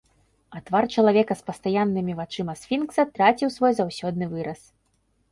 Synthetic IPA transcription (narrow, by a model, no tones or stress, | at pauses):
ɐt̪vart͡ʂɐlˠavʲɛkɐspɐst̪ajanːɨmʲivat͡ʂɨmɐsfʲinksɐt̪ɾat͡sʲiwsvɔjzawsʲɔd̪nɨvɨɾɐs